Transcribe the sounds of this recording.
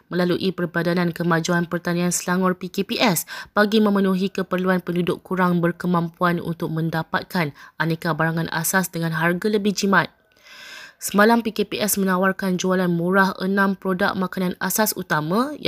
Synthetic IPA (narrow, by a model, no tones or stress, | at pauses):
mə̃laluʔipərbadanankəmad͡ʒuanpərt̪anĩansəlaŋʊrpikepiʔɛsb̥aɡimə̃mənuɦikəpərluanpəndudʊkːuɾaŋbərkəmãmpuanṵnt̪ʊk̚mə̃ndapat̪̚kanʔanekabaɾaŋãnʔa̰sasdəŋanɦarɡaləbɪhd͡ʒimat̪̚ | səmalampikepiʔɛsmə̃nawarkand͡ʒualanmuɾahə̰nãmpɾoda̰ʔ̚makanana̰sasṵt̪amã